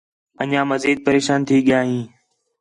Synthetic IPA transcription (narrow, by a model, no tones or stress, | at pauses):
əɲãːməziːd̪̚pəɾeːʃaːnt̪ʰiːɠɪjaːɦĩː